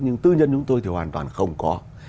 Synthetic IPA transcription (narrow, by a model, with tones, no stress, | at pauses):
ɲɨ˧ŋt̪ɨ˧ɲə˧nt͡ɕʊ˨˦ŋ͡mt̪o˧jt̪ʰi˨˩hwaː˨˩nt̪wa̰ː˨˩nxə˧wŋ͡mkɔ˨˦